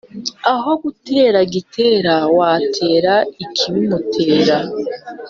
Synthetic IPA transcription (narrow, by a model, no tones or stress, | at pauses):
aɦo̞ɡute̞ːɾaɡitʰe̞ːɾawaːtʰe̞ːɾaikʰimumutʰe̞ːɾa